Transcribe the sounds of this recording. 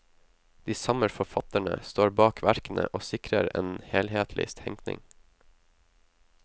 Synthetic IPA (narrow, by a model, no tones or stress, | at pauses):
d̪̥iːsɑməɾfɔfɑt̪əɳə̰st̪oːɾbɑːkʰʋæɾkn̩ə̰ʔoːsɪkɾəɾeːnheːlheːt̪ʰlɪ̰st̪hɛŋknɪ̰ŋ